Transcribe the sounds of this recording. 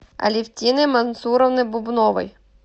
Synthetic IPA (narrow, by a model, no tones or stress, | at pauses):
ɐ̰lʲiwtʲinɪjmɐnsuɾɔwnɪbʊbnɔʋɪ̰j